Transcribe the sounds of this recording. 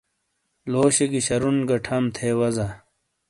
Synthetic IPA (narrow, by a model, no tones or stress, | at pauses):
loːɕeɡiɕɐɾunɡɐʈʰɐmt̪ʰeːwɐzɐ